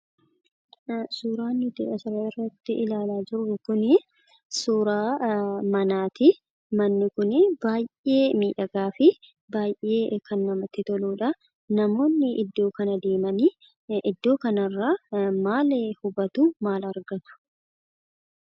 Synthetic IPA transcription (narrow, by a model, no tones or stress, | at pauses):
suːɾaːnːʊt̪ɪᶑɐsɪɾɐɪrːɐt̪ːɪʔɪlaːlaːd͡ʒɪɾːʊkʊnɪ | suːɾaːmɐnaːt̪ɪ | mɐnːɪkʊnɪbaːjʔe̞ːmiːᶑɐɡaːfɪ | baːjʔe̞ːkɐnːɐmɐt̪ɪt̪ɔluːᶑɐ | nɐmo̞ːnːɪʔɪd̪ːo̞ːkɐnɐd̪e̞ːmɐni | ʔɪd̪ːo̞ːkɐnɐrːaːmaːlhʊbɐt̪uːmaːlɐɾɡɐt̪ʊ̥